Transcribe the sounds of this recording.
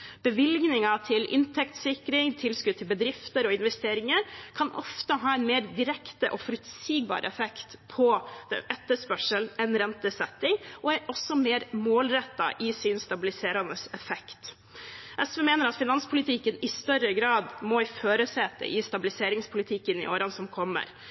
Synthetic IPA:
b̥əʋɪlɡnɪŋɑt̪ʰɪlʔɪ̰nt̪ʰɛkt̪sɪkɾɪŋt̪ʰɪlskʉd̪̚t̪ʰɪlbəd̪ɾɪft̪əɾɔɪnʋɛst̪eːɾɪŋəɾkʰɑnʔɔ̰ft̪əɦɑːɛnmeːɾd̪ɪɾɛkt̪əʔɔ̰fɔɾʉt̪siːɡ̚bɑ̰ːɾə̰ɛfɛkt̪pʰɔd̪̥ɛ̰nɛt̪ːəspœʂəln̩ɛnɾɛnt̪əsɛt̪ːɪŋɔæɾʔɔsːɔmeːɾmoːlɾɛt̪ːɑ̰ʔɪsɪnst̪ɑbɪlɪseːɾɑnəsɛfɛkt̪ | ʔɛsʋɛːmeːnəɾɑt̪fɪnɑnspʰʊlɪt̪ʰɪkːənɪst̪œɾəɡɾɑːd̪mɔɪføːɾəsɛt̪ːə̰ʔɪst̪ɑbɪlɪseːɾɪŋspʰʊlɪt̪ʰɪkːənɪ̰ʔo̰ːɾɑnsɔmkʰɔmːə̰ɾ

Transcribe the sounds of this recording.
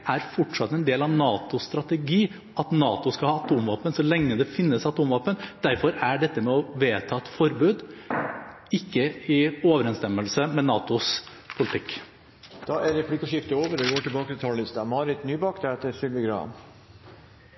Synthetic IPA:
æɾfɔʈʂɑt̪ːəɛnd̪eːlɑʋnɑːt̪ʊst̪ɾɑt̪əɡiː | ɑt̪nɑːt̪ʊskɑhɑːɑt̪uːmʋɑːpənsɔlɛŋːəd̪ɛfɪnːəsɑt̪uːmʋɑːpənd̪̥æɾfɔɾæɖɛt̪ːəmɛɔʋeːt̪ʰɑːɛt̪fɔɾbʉːd̪ | ɪkːəɪoːʋəɾɛnst̪ɛmːəlsəmɛnɑːt̪ʊs | pʰʊlɪt̪ʰɪkː | d̪̥ɑæɾɛplɪkːəʂɪft̪əoːʋəɾɔɡoːʈɪlbɑːkət̪ʰɪlt̪ʰɑːllɪst̪ɑmɑɾɪt̪nyːbɑkd̪ɛɛt̪əsʏlʋəɡɾɑ̰n

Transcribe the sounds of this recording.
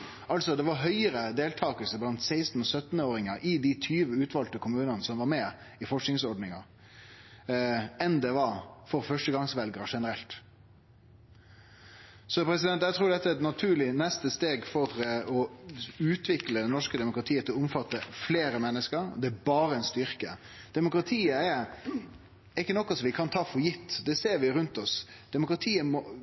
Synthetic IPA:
ɑlt̪sɔd̪ɛʋɑɾɦœʏəɾəd̪eːlt̪ʰɑːkəlsəblɑnt̪sæɪst̪n̩ɔsœt̪nəoːɾɪŋəʔɪd̪ɪt̪ʰyːʋəʉːt̪ʋɑlt̪əkʰʊmʉːnənəsɔmʋɑɾmɛ | ɪfɔʂknɪŋsɔɖnɪŋɑ̰ | ɛnd̪ɛʋɑɾfɔɾfœʂʈəɡɑŋsʋɛlɡɾəʂɛnəɾɛlt̪ | sɔpʰɾɛs̬ɪd̪ɛnt̪jæɪt̪ʰɾuːd̪ɛt̪ːəɛd̪nɑt̪ʰʉːɭɪnɛst̪əst̪eːɡfɔɾəɔʉːt̪ʰʋɪkləd̪ɛnɔʂkəd̪ɛmʊkɾɑt̪ʰiːət̪ʰɪlɔʊmfɑt̪ːəfleːɾəmɛnːəskəɾd̪ɛæbɑːɾəɛnst̪ʏɾkə | d̪̥ɛmʊkɾɑt̪ʰiːəɛɾ | ɛɪkːənɔkːɔsɔmʋɪkʰɑnt̪ʰɑːfɔɾjɪt̪ːd̪ɛseːɾʋɪɾʉnt̪ɔs | d̪̥ɛmʊkɾɑt̪ʰiːəmɔ

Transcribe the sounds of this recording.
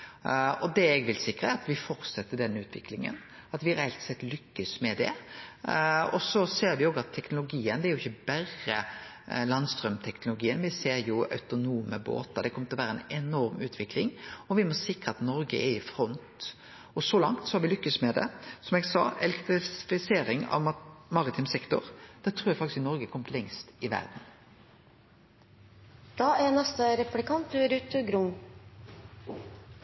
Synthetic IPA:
ɔd̪ɛɛɡʋɪlsɪkɾəæɾɑt̪ʋɪfɔɾt̪sɛt̪ːəɖ̪ɛnːʉːt̪ʰʋɪklɪŋə̰n | ɑt̪ʋɪɾɛælt̪sɛt̪ːlʏkːəsmɛd̪ɛ̰ | ɔsɔseːɾʋɪoːɡɑt̪ʰːɛknʊlʊɡiːənd̪ɛæɾjʊɪçːəbæɾə | lɑnst̪ɾœmt̪ʰɛknʊlʊɡiːənʋɪseːɾjʊœ̰ʉt̪ʊnuːməbo̰ːt̪ɑd̪ɛkʰɔmət̪ɪlɔʋæːɾəɛnɛnɔɾmʉːt̪ʰʋɪklɪŋɔʋɪmɔsɪkɾʁəɑt̪nɔɾɡə̰ʔɛɪfɾɔnt̪ | ɔsɔlɑŋt̪sɔhɑɾʋɪlʏkːəsmɛd̪ɛ̰sɔmɛɡsɑːʔɛlɛkt̪ʁɪfɪseːɾɪŋɑ̰ʋmɑʁɪt̪ʰɪmsɛkt̪ʊ̰ɾd̪̥ɛt̪ʰɾuːɾjæɡfɑkt̪ɪskɪnɔɾɡəkʰɔmət̪lɛŋst̪ɪʋæ̰ʁd̪n̩ | d̪̥ɑːɛnɛst̪əɾɛplɪkɑnt̪ɾʉt̪ʉɡɾʊŋ

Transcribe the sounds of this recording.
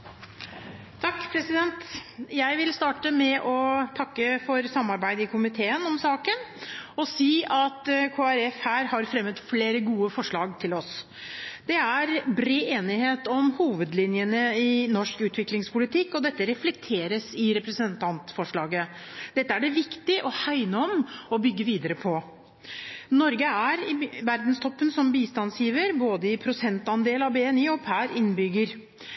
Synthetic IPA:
t̪ʰɑkːpʰɾɛsɪd̪ɛnt̪jæɪʋɪlst̪ɑːʈəmɛʔɔt̪ʰɑkːəfɔɾsɑmːɑɾbæɪd̪ɪkʰʊmɪt̪ʰeːənɔmsɑːkənɔsiːɑt̪kʰoːæɾɛfhæːɾhɑɾfɾɛmːət̪fleːɾəɡuːəfɔʂɭɑːɡt̪ʰɪlɔs | d̪̥ɛæɾbɾeːeːnɪheːt̪ɔmhuːʋəd̪lɪnjənəɪnɔʂkʉːt̪ʋɪklɪŋspʰʊlɪt̪ʰɪkːɔd̪ɛt̪ːəɾɛflɛk̚t̪ʰeːɾəsɪɾɛpɾɛsənt̪ʰɑnt̪fɔʂɭɑːɡəd̪̥ɛt̪ːəæɖɛʋɪkt̪ɪʔɔhaɪnəɔmɔbʏɡːəʋiːd̪əɾəpʰɔ | nɔɾɡəæɾɪʋæɾd̪n̩st̪ʰɔpːənsɔmbiːst̪ɑnsjiːʋəɾboːd̪əɪpʰɾʊsɛnt̪ɑnd̪eːlɑbeːɛniːɔpʰæːɾɪnːbʏɡːəɾ

